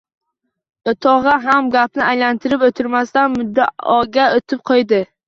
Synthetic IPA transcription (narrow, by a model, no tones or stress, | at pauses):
ʊt̪ʰɒʁɑɦamɡʲapnɪajlant̪ʰɪɾɪpɵt̪ʰɪɾmast̪anmʊd̪ːaɒɡʲaot̪ʰɪp̚qʰojd̪ɪ